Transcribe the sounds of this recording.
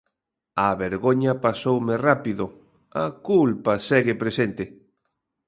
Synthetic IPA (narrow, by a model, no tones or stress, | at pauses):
ɐβeɾɣoɲɐpasowmɪrapiðʊ | akulpasɛɣɪpɾesent̪ɪ